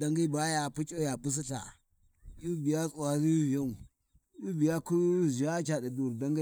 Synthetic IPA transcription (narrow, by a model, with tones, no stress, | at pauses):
da˦ŋɡi˦ba˦ja˨pu˦t͡ʃʼo˦ja˨pu˦s̬i˦ta̰˨ | ju˦bi˨ja˦t͡sʼu˨a˨ɾi˦vi˨ja˦u˨ | ju˦bi˨ja˦ku˦˨zi˨ja˦t͡ʃa˨di˨du˨ɾda˦ŋɡa˦